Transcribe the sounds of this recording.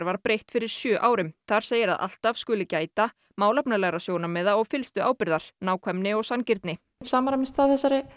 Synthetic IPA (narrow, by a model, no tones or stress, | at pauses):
ɾvaɾpɾejht̪fɪɾɪɾ̥sjœːʔaːwɾɪmθaɾ̥seːjɪɾa̰ðʔa̰l̥t̪av̥skʏlʏcaːjt̪a | maːwlɛpnalɛːɣɾasjownamɛðaɔɣfɪlst̪ʏʔaːwpɪɾðaɾ̥naːwkʰvɛmnɪɔɣsancɪɾt̪nɪ | saːmaɾamɪst̪aðθɛsːaɾɪ